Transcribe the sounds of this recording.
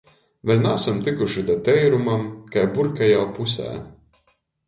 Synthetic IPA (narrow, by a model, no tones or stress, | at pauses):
vɛlʲnasamt̪ikuʃid̪at̪ɛjɾumamkajbuɾkajaːpusæ̰ː